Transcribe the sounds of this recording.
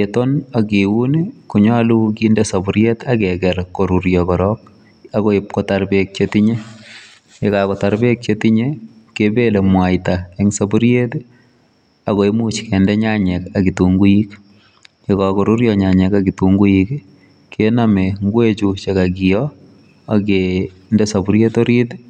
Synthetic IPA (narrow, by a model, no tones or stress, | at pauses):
etɔnakiwunikuɲɔluk̬indɛsabuɾjetakɛɡɛlkoɾuɾjɔkɔɾɔk̚ | akoɪp̚kɔtaɾbek̚t͡ʃetiɲe | kekakɔtaɾbek̚t͡ʃetiɲe | kebelemwajtaeŋsabuɾjet | akoimut͡ʃkɛndɛɲaɲɛkakituŋɡujik | kekakoɾuɾjɔɲaɲɛkakituŋɡujik | kːenameŋɡwet͡ʃut͡ʃekakijɔ | ake | ndɛsabuɾjetoɾit